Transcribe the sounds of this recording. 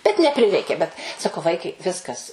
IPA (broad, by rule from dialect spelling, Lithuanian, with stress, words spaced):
bʲɛt nʲɛˈpʲrʲɪrʲɛɪkʲeː bʲɛt sɐˈkɐʊ ˈʋɐɪkɐɪ ˈʋʲɪskɐs